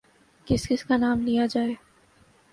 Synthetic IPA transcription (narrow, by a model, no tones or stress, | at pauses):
kɪskɪskanaːmlijad͡ʒaːeː